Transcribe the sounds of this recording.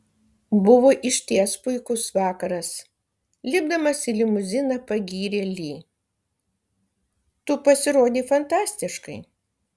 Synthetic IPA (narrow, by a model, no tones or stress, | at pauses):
bʊʋoːʔɪʃʲt̪ʲiɛspʊɪkʊsʋɑːkɐɾɐs | lʲɪbd̪ɐmɐsɪlʲɪmʊzʲɪnɐpɐɡʲiːɾʲeːlʲiː | t̪ʊpɐsʲɪɾoːd̪ʲiːfɐnt̪ɑːsʲt̪ʲɪʃkɐɪ